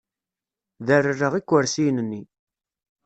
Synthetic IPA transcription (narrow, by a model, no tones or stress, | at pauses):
ðərərːəʁikʷːəɾsijnənːi